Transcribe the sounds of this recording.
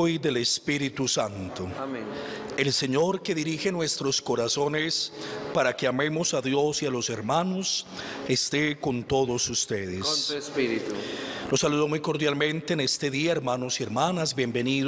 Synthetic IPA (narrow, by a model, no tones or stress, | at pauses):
jðe̞lespiɾit̪usant̪o | e̞lse̞ɲo̞ɾke̞ðiɾixe̞nwe̞st̪ɾo̞sko̞ɾaso̞nespaɾake̞ame̞mosaðjo̞sialo̞se̞ɾmano̞s | est̪eko̞nt̪o̞ðosust̪eðessiit̪ulo̞sːaluðomujko̞ɾðjalmẽ̞nt̪eːne̞st̪e̞ðiaeɾmanosie̞ɾmanazbjembe̞nið